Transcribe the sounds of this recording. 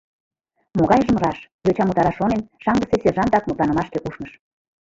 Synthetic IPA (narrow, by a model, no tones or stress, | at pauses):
moɣɑjʒə̆mrɑʃjøt͡ɕɑmut̪ɑɾɑʃonenʃɑŋɡəseseʒɑnd̪ɑk̚mut̪lˠɑnə̆mɑʃkekuʃməʃ